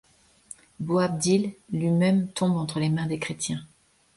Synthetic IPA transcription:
boab̚d̪ilːɥimɛmt̪ɔ̃bɑ̃t̪χəlemɛ̃d̪ekχet̪jɛ̃

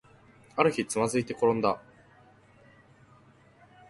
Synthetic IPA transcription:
aɾɯ̟çit͡sɨmazɨit̪e̞ko̞ɾõ̞nd̪a

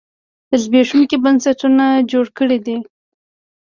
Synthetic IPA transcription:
d̪əzbeʂunkibansaʈunad͡ʒoɽkəɽid̪i

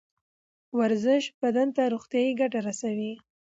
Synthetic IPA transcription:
waɾzɪʃbad̪ant̪aɾoxt̪jɑjiɡaʈaɾasawi

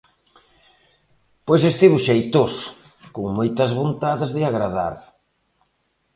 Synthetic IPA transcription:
pojsest̪iβʊʃejt̪osʊ̥ | koŋmojt̪ɐzβont̪aðɪzðɪaɣɾaða̰ɾ

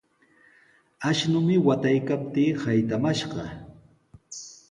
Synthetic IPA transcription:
aʃnʊmɪwat̪ajkap̚t̪iːhajt̪amaʃɢɑ

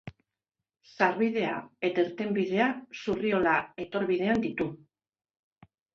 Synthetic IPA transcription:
saɾβiðe̞a̰e̞t̪eɾt̪e̞mbiðe̞asurio̞lae̞t̪o̞ɾβiðe̞and̪it̪u

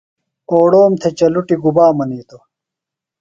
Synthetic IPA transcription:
oːɽoːmt̪ʰet͡ɕɐluʈiɡubaːmɐniːt̪o

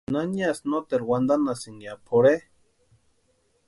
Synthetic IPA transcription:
naniasnot̪elwand̪anasiŋjapʰoɾe

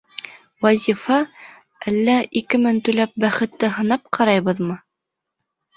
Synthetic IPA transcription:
wæzʲifɑ | ʔælːæikɘmɘnt̪ʉlæp̚bæχɘ̆t̪ːɘɦɤ̆nɑp̚qʰɑɾɑjβɤðmɤ

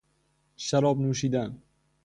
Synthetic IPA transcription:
ʃaɾɒb̚nuːʃid̪an

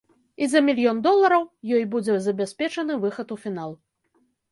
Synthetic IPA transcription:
izɐmʲilʲjɔnd̪ɔlˠɐɾɐwjɔjbud͡zʲɛzɐbʲasʲpʲɛt͡ʂɐnɨvɨxɐt̪ufʲinalˠ

